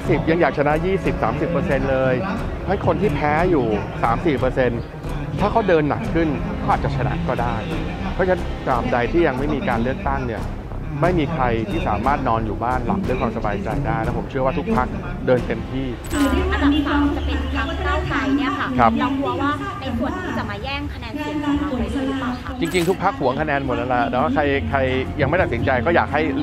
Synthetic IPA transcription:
si˨˩p̚ja˧ŋjaː˨˩k̚t͡ɕʰa˧na˦˥ʔjiː˥˩si˨˩p̚saː˩˦msi˨˩pːəː˧se˧nlɤː˧j | ha˥jkʰo˧nt̪ʰiː˥˩pʰɛː˦˥juː˨˩saː˩˦msiː˨˩pɤː˧se˧n | t̪ʰaː˥˩kʰa˦˥wdɤː˧nːa̰˨˩kʰːɯ˥˩nkʰɔː˥˩a˨˩t̪̚t͡ɕa˨˩t͡ɕʰa˧na̰˦˥kɔː˥˩daː˥˩jpʰɔ˦˥t͡ɕʰa˦˥nkaː˨˩p̚da˧jt̪ʰiː˥˩ja˧ŋma˥˩jmiː˧kaː˧nlɯ˥˩ək̚t̪a˥˩ŋni˥˩ɐ | ma˥˩jmiː˧kʰɾa˧jt̪ʰiː˥˩saː˩˦maː˥˩t̪̚nɔː˧njuː˨˩baː˥˩nla̰˨˩p̚du˥˩jkʰwaː˧msa˧baː˧jt͡ɕa˧jdaː˥˩jnɛ˦˥pʰo˩˦mt͡ɕʰɯ˥˩əwaː˥˩t̪ʰu˦˥k̚pʰa˦˥k̚ | dɤː˧nt̪e˧mt̪ʰiː˥˩˧ | a˧miː˧aː˧mː˨˧˩a˧˥˧kʰa˦˥p̚aː˥˩˧ | u˨˩˨ɛː˥˩ŋː˧˥˩a˧˨˩a˧la˧ | t͡ɕi˧ŋt͡ɕi˧ŋt̪ʰu˦˥k̚pʰa˦˥k̚hu˩˦əŋkʰa˧nɛː˧nmo˨˩t̪̚ʔa˧la˧˩nɔ˦˥˩kʰa˧jkʰa˧jja˧ŋma˥˩t̪t̪si˩˦t͡ɕa˧jkɔː˥˩jaː˨˩k̚ɦa˥˩j

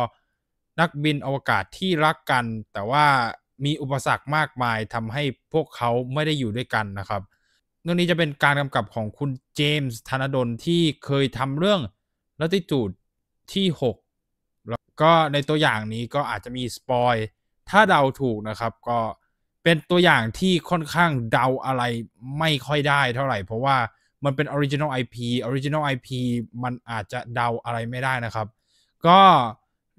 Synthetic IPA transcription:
na˦˥k̚bi˧nʔa˧wa˧ka̰ː˨˩t̪ʰːiː˥˩ɾa˦˥kːa˧nt̪ɛː˨˩waː˥˩ | miː˧ʔu˨˩pːa˧sa˨˩k̚maː˥˩k̚maː˧jt̪ʰa˧mɦa˥˩jpʰu˥˩əkʰːa˦˥wma˥˩jda˥˩jːuː˨˩du˥˩əjka˧nːa˦˥kʰa˦˥p̚ | nɯ˥˩ŋniː˦˥t͡ɕa˨˩pe˧nkaː˧nka˧mka˨˩p̚kʰɔː˩˦ŋkʰu˧nt͡ɕeː˧mst̪ʰa˧na˧˥do˧nt̪ʰiː˥˩kʰɤː˧jt̪ʰa˧mɾɯ˥˩əŋ | la˦˥t̪i˧˩t͡ɕuː˨˩t̪̚ʰː | iː˥˩ho˨˩k̚ | kɔː˥˩na˧jt̪u˧ɐjaː˨˩ŋniː˦˥kɔː˥˩ʔaː˨˩t̪̚t͡ɕa˨˩miː˧spɔː˧j | t̪ʰaː˥˩da˧wt̪ʰuː˨˩k̚na˦˥kʰa˦˥p̚kɔː˥˩ | pe˧nt̪u˧ɐjaː˨˩ŋt̪ʰiː˥˩kʰɔ˥˩nkʰaː˥˩ŋda˧wʔa˧ɾa˧jma˥˩jkʰɔ˥˩jdaː˥˩jt̪ʰa˥˩wɾa˨˩jpʰɾɔ˦˥waː˥˩ | ma˧npe˧nʔoː˧ɾi˦˥t͡ɕi˧na˥˩ʔa˧jpʰiː˧ʔoː˧ɾi˦˥t͡ɕi˧na˥˩wʔa˧jpʰiː˧ma˧nʔaː˨˩t̪̚t͡ɕa˨˩da˧wʔa˧ɾa˧jma˥˩jdaː˥˩jna˦˥kʰa˦˥p̚ | kɔː˥˩

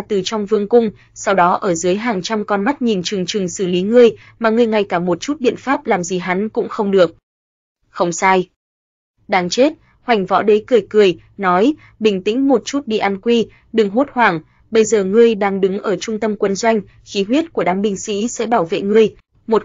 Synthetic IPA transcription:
t̪ɨ˨˩t͡ɕɔ˧wŋ͡mvɨ˧əŋkʊ˧ŋ͡m | sa˧wɗɔ˨˦ʔəː˧˩zɨ˨˦jɦaː˨˩ŋt͡ɕa˧mkɔ˧nma˦˥t̚ɲi˨˩nt͡ɕɨ˨˩əŋt͡ɕɨ˨˩əŋsɨ˧˩li˨˦ŋɨ˧əj | maː˨˩ŋɨ˧˩əjŋa˧˩jkaː˧˩mo˨˩t̚t͡ɕu˦˥t̚ɓḭ˧˨ənfaː˦˥p̚laː˨˩mzi˨˩ɦa˨˦nkʊ̰˧˥ŋ͡mxə˧wŋ͡mɗɨ˨˩ək̚ | xə˧wŋ͡msaː˧j | ɗaː˨˧ŋt͡ɕe˦˥t̚ | hwa˨˩jŋ̟vɔ̰˧˥ɗe˨˦kɨ˨˩əjkɨ˨˩əj | nɔ˨˦j | ɓï˨˩ŋ̟t̪ḭ̈˧˥ŋ̟mo˨˩t̚t͡ɕu˦˥t̚ɗḭ˧˨ʔa˧nkwi˧ | ɗɨ˨˩ŋɦu˦˥t̚hwaː˧˩ŋ | ɓə˧jzəː˨˩ŋɨ˧əjɗaː˧ŋɗɨ˨˦ŋʔəː˧˩t͡ɕʊ˧ŋ͡mt̪ə˧mkwə˧nzwa˧jŋ̟ | xi˨˦ɦwi˦˥ət̚ku˧˩əɗaː˨˦mɓï˧ŋ̟sḭ˧˥sɛ̰˧˥ɓaː˧˩wvḛ˧˨ŋɨ˧əj | mo˨˩t̚

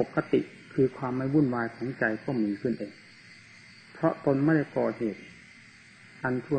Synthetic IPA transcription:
o˨˩kːa˧t̪i˨ʔ | kʰɯː˧kʰwaː˧mːa˥˩jwuː˧˥˩nwaː˧jkʰɔː˩˦ŋt͡ɕa˧jkɔ˥˩miː˧kʰɯ˥˩nʔeː˧ŋ | pʰɾɔ˦˥ʔt̪o˧nma˥˩ɾa˥˩jkɔː˨˩t̪̚heː˨˩t̪̚ | ʔa˧nt̪ʰu˧˩˨

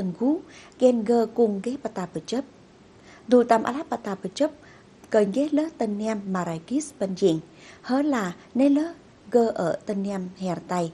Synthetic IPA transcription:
t̪ə˧˩nɣu˨˦ɣɛ˧nɣəː˧kʊ˧˩ŋɣe˦˥pa˧˩t̪aː˧˩pə˧˩t͡ɕə˦˥p̚ | zu˧˩t̪a˧˩mʔa̰˧˩la˦˥p̚ːa˧˩t̪aː˧pə˧˩t͡ɕə˦˥p̚ | kəː˨˩ŋɣɛ˨˦˥ləː˦t̪ə˧nː˧ɛ˧mːaː˨˩ɾa˧˩jki˦˥sbə˧nzḭ˧˩˨ŋ | həː˧˦laː˨˩ | ne˦˥ləː˦˥ | ɣəː˧ʔəː˧˩t̪ə˧nː˧ɛ˧mhɛ˧˩ɾt̪a˧j

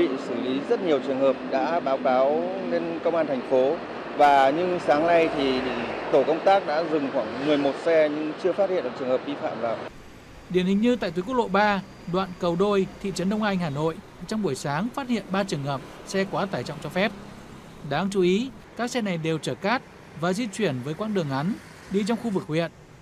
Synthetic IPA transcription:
ḭ˧˨sɨ˧˩li˨˦zə˦˥t̚ɲi˨˩əwt͡ɕɨ˨˩əŋhəː˨˩p̚ɗa̰ː˧˥ɓaː˨˦wkaː˨˦w | ne˧nkə˧wŋ͡mʔaː˧nt̪ʰɛ˨˩jŋ̟fo˨˦ | vaː˨˩ɲɨ˧saː˨˦ŋna˧jt̪ʰi˨˩t̪o˧˩kə˧wŋ͡mt̪aː˦˥k̚ɗa̰ː˧˥zɨ˨˩ŋxwaː˧˩ŋmɨ˨˩əjmo˨˩t̚sɛ˧ɲɨ˧ŋt͡ɕɨ˧əfaː˦˥t̚hḭ˧˨ə˨nʔt͡ɕɨ˨˩əŋhəː˨˩p̚ɗi˧fa̰ː˧˨mvaː˨˩w | ɗi˨˩ənhï˨˩ŋ̟ɲɨ˧t̪a̰ː˧˨jt̪wkk̚ɗo̰˧˨ɓaː˧ | ɗwa̰ː˧˨nkə˨˩wɗo˧jt̪ʰḭ˧˨t͡ɕə˨˦nɗə˧wŋ͡mʔa˧jŋ̟haː˨˩no̰˧˨j | t͡ɕɔ˧wŋ͡mɓu˧˩əjsaː˨˦ŋfaː˦˥t̚hḭ˧˨ənɓaː˧t͡ɕɨ˨˩əŋhəː˨˩p̚ | sɛ˧kwaː˨˦t̪aː˧˩jt͡ɕɔ̰˧˨wŋ͡mt͡ɕɔ˧fɛ˦˥p̚ | ɗaː˨˦ŋt͡ɕu˨˦i˨˦ | kaː˦˥k̚sɛ˧na˨˩jɗe˨˩wt͡ɕəː˧˩kaː˦˥t̚ | vaː˨˩zi˧t͡ɕwi˧˩ənvəː˨˦jkwaː˧nɗɨ˨˩əŋʔa˨˦n | ɗi˧t͡ɕɔ˧wŋ͡mxu˧vɨ˨˩k̚hwḭ˨˩˨ən

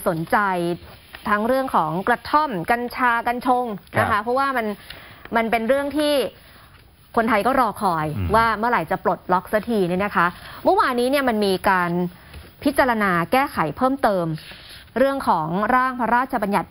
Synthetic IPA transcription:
so˩˦nt͡ɕa˧j | t̪ʰa˦˥ŋɾɯ˥˩əŋkʰɔː˩˦ŋkɾa˧t̪ʰo˥˩mka˧nt͡ɕʰaː˧ka˧nt͡ɕʰo˧ŋna˦˥kʰa˦˥pʰɾɔ˦˥waː˥˩ma˧nma˧npe˧nɾɯ˥˩əŋt̪ʰiː˥˩ | kʰo˧nt̪ʰa˧jkɔː˥˩ɾɔː˧kʰɔː˨˩jwaː˥˩mɯ˥˩əɾa˨˩jt͡ɕa˨˩plo˨˩t̪̚lɔ˦˥k̚sa˧˦t̪ʰiː˧ni˥˩na˦˥kʰa˦˥mɯ˥˩˨waː˧nːiː˦˥ni˥˩ɐma˧nmiː˧kaː˧n | pʰi˦˥t̪̚t͡ɕa˧ɾa˧naː˧kɛː˥˩kʰa˩˦jpʰɤː˥˩mt̪ɤː˧mɾɯ˥˩əŋkʰɔː˩˦ŋɾaː˥˩ŋpʰa˧˥ɾaː˥˩t̪̚t͡ɕʰa˧ba˧nja˨˩t̪̚

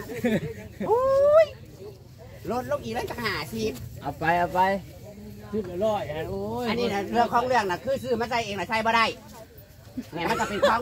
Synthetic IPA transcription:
ʔoː˧j | lo˧˩t̪̚lo˧˨ŋʔiː˨˩lŋt͡ɕaː˨˩k̚haː˨˩si˧˦p̚ʔa˨˩pa˧jʔa˧˩pa˧j | sʰɯ˧˩t̪̚ːlɔː˧˩ja˧oː˧˦a˨nːiː˧˨na˧˩lʰɯ˧əŋkʰɔː˧˥˨ŋlɯ˧˩əŋ̚na˧˩kʰɯː˧˩sɯː˧˩ma˧˥˨nsa˧˩jʔeː˨ŋna˧˩sa˧˩jbɔː˧ɾa˧˩j | ni˧˩˨ma˧˨kɔ˧˩pe˨kʰɔː˧˨

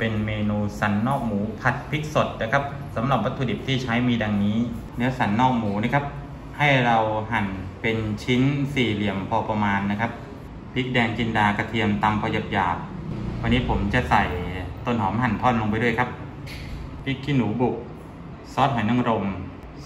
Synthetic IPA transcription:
pe˧nmeː˧nuː˧sa˩˦nːɔː˥˩k̚muː˩˦pʰa˨˩t̪̚pʰi˦˥k̚so˨˩t̪̚na˦˥˩kʰa˦˥p̚ | sa˩˦mɾa˨˩p̚wa˦˥t̪ʰːuː˧di˨˩p̚t̪ʰiː˥˩t͡ɕʰa˦˥jmiː˧da˧ŋniː˦˥ | nɛ˦˥ɐsa˩˦nːɔː˥˩k̚muː˩˦na˦˥kʰa˦˥p̚ | ha˥˩jɾa˧wɦa˨˩npe˧nt͡ɕʰi˦˥nsiː˨˩li˨˩əmpʰɔː˧pa˧maː˧nːa˦˥kʰa˦˥p̚ | pʰi˦˥ʔ̚dɛː˧ŋt͡ɕi˧ndaː˧ka˧˩t̪ʰi˧əmt̪aː˧mpʰɔː˧ja˨˩p̚jaː˨˩k̚ | wa˧nːiː˦˥pʰo˩˦mt͡ɕa˨˩sa˨˩jt̪o˧˩˨nhɔː˩˦mɦa˨˩nt̪ʰɔː˥˩nlo˧ŋpa˧jdu˥˩jkʰa˦˥p̚ | pʰi˦˥kʰːi˧˥˩nːuː˩˦bu˨˩k̚ | sɔː˦˥t̪̚ɦa˨˦na˧˥˩ŋɾo˧m

